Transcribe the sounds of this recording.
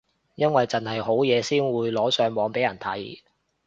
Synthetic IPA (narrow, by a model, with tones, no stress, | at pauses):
jɐ˥nwɐ˨jt͡sɐ˨nhɐ˨jho˨˥wjɛː˨˧siː˥nwuː˨˧jlɔː˨˥sœː˨˧ŋwɔː˨˧ŋpe˨˥jɐ˨˩nt̪ʰɐ˨˥j